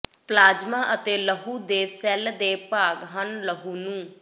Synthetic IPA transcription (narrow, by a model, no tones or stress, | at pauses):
plaːd͡ʒmãːʔət̪eːləɦuːd̪eːsɛːld̪eːpaːɡɦənləɦuːnũː